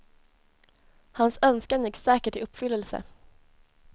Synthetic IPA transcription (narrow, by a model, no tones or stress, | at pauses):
hansœnskanjɪksɛːkəʈɪɵpːfʏlːəlsə̰